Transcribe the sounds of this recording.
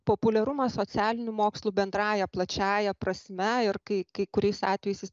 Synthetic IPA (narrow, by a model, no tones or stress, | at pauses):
poːpʊlʲɛɾʊmɐssoːtsʲæːlʲɪnʲumoːkslˠuːbʲɛnd̪ɾɑːjɛplˠɐt͡ʃʲæːjɛpɾɐsʲmʲɛɪrkɐɪkɐɪkʊɾʲɛɪsɑːt̪ʲʋʲɛjɛɪsɪs